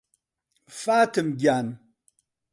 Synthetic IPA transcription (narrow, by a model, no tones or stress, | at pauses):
fatɨmɡʲan